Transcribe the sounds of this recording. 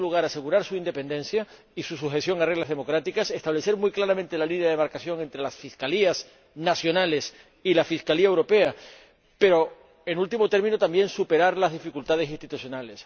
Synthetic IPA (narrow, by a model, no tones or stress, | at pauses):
luɣ̞aɾase̞ɣuɾaɾsuind̪epe̞nd̪e̞nθja | isusuxe̞sjo̞ŋarelazðe̞mo̞kɾat̪ikase̞st̪aβle̞θeɾmujklaɾamẽnt̪e̞lalinjaðe̞βaɾkasjo̞ŋe̞nt̪ɾe̞lasfiskalias | nasjo̞nale̞s | ilafiskaliae̞wɾo̞pe̞a | pe̞ɾo̞ | enult̪imo̞t̪e̞ɾmĩnot̪ambjẽ̞nsupe̞ɾaɾlazð̞ifikult̪að̞e̞sinst̪it̪uθjo̞nale̞s